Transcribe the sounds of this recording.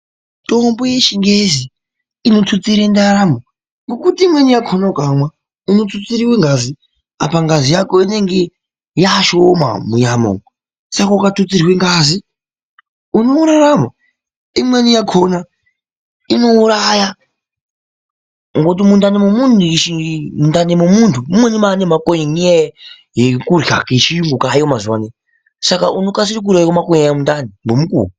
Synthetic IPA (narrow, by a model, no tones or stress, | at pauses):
tʼomboje̞ʃiŋɡezi | ino̞t͡sut͡siɾendaɾamo | ŋɡokutiːmwenijakʰonakamwa | inot͡sut͡siɾiweŋɡazi | a̰paŋɡazijakoine̞ŋɡe | jaʃoma̰muɲamo̰ŋo | sakaukatut͡siɾiweŋɡazi | uno̞uɾaɾamo | imwenijakʰona | ino̞uɾaja | ŋɡot̬imundanimumunuʃimundanimumuntʰumumwenimanemakoɲiŋije | jekurja̰kiʃiuŋɡukajomazuwane | sakaʔunokas̬iɾik̬uɾajikomakojjamundanimbomukṵu